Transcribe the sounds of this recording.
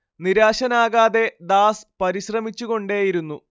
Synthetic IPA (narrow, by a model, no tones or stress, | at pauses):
niɾaːɕɐnaːɣaːðe̞d̪aːspɐɾiɕrɐmit͡ɕːuɣo̞ɳɖeːjiɾunːu